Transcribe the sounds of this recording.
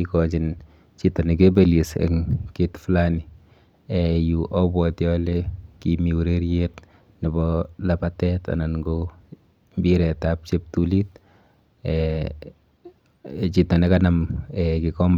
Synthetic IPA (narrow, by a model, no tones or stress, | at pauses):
ikɔt͡ʃɪn | t͡ʃitɔnɛk̬ebelisɛ̰ŋketflani | ɛjuʔɔbwɔtjɔlekimiuɾeɾjet | nɪbɔlapatɛta̰nanŋɡo | mbiɾɛtap̚t͡ʃep̚tulit̚ | ɛ | t͡ʃitɔnɛkanamɛkɪkɔmb